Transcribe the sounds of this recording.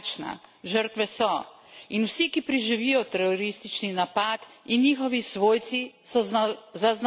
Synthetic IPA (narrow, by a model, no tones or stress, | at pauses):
t͡ʃna̰ʒəɾt̪ʋɛsɔ | inwsikipɾiʒiʋijɔt̪ɛɾɔɾist̪it͡ʃninapat̪inːiːxɔʋisʋoːjt̪sisɔzazn